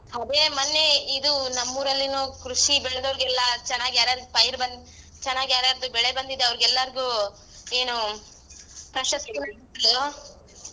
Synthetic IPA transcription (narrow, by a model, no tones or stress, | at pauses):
ɦɐd̪eːmɐnːe̞id̪unɐmːuːɾɐlːinuːkɾuʂibɛɭed̪ɐʋɐɾɡɛlːɐt͡ʃɛnːaːɡijaːɾjaːɾd̪upɐjɾbɐn | t͡ʃɛnːaːɡijaːɾjaːɾɐd̪ubɛɭebɐnd̪id̪ːeɐʋɐɾɡɛlːɐɾɡuː | e̞ːnu | pɾɐʃɐst̪iɡunɐt̪ːɐlo